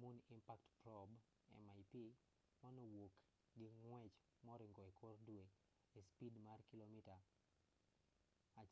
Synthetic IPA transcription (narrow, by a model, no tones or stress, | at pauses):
munimpaktpɾɔb | ɛ̰majpi | manɔwok | ɡɪŋwɛt͡ʃ | mɔɾɪŋɡɔɛkʰɔrdwe | espidmarkilomita | a